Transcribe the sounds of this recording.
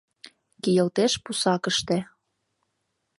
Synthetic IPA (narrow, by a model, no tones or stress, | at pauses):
kijɤ̆lt̪eʃpusɑkə̆ʃt̪ĕ